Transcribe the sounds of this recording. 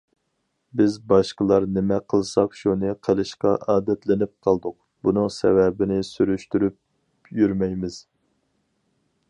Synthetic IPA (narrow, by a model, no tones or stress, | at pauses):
bɪzbɑʃqəlˠɑɾnɪmɛqʰəlˠsɑqʃunɨqʰəlˠɨʃqɑʔɑːd̪ɛt̪ʰlɪnɪp̚qʰɑlˠd̪ʊq̚ | bunɨŋsɛ̰vɛbɪnɪsyɾyʃt̪yɾyp̚ | jyɾmɛjmɪz̥